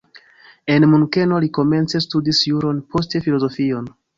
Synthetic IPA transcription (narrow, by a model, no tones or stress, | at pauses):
e̞nmuŋke̞no̞liko̞me̞nt͡sestudisjuɾo̞npʰo̞ste̞filo̞zo̞fio̞n